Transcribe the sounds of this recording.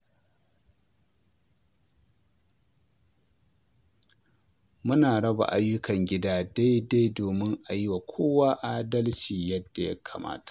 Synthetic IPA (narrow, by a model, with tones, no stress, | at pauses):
mʊ˦naː˨ɽɐ˦ba̰˨ʔa˦jːʊ˦kɐ˨ŋɡʲɪ˦daː˦da˦jda˦jdoː˨mɪ˦ŋʔa˨jɪ˦wa˨kʷʰoː˦waː˦ʔaː˦dɐ˦lt͡ʃiː˨jɐ˦dːa˨ja̰˦kʰa̰ː˨ma̰ː˦tḁ˨ʔ